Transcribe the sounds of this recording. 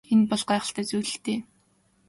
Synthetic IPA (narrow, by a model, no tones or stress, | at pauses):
enpɔɮɢæːχə̆ɬt̪æːt͡sujɮɘ̆t̪eː